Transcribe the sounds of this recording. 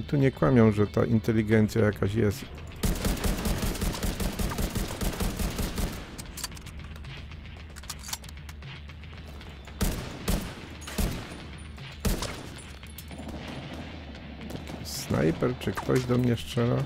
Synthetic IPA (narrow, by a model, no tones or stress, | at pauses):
t̪uɲɛkwamʲjɔw̃ʐɛt̪a̰ʔint̪ɛlʲiɡɛnt̪sʲjajakaɕjɛst̪ | snʔa̰jpɛɾt͡ʂɘkt̪ɔʑd̪ɔmɲɛʂt͡ʂɛla